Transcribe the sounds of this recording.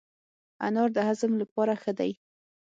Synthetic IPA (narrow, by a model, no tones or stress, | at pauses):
a̰nɑɾd̪əɦazəmlapɑɾaxəd̪aj